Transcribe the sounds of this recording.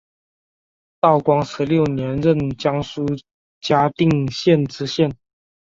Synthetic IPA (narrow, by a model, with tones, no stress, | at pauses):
t̪ɑ˥˩ʊkwɑ˥ŋʂɻ̩˧˥ljo˥˩ʊnjɛ˧˦˥nɻə˥˨nt͡ɕjɑ˥ŋsu˥ | t͡ɕja˥t̪i˥˨ŋɕjɛ˥˨nʈ͡ʂɻ̩˥ɕjɛ˥˨n